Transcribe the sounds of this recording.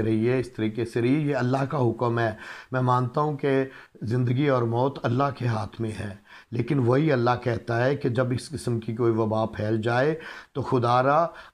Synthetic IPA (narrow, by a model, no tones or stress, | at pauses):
ɾɐɦiɛɪst̪ɐɾiːkeseɾɐɦiejeɐlːaɦkaɦʊkəmɦɛːmɛ̃ːmãːnt̪aɦũke | zɪ̃nd̪əɡiɔːɾmɔːt̪ɐlːaɦkeɦaːt̪ʰmẽɦɛː | leːkɪnʋoɦiɐlːaɦkɛɦt̪aɦɛked͡ʒɐbɪskɪsəmkikoːiʋɐbaːpʰɛːld͡ʒaːet̪oxʊd̪aːɾa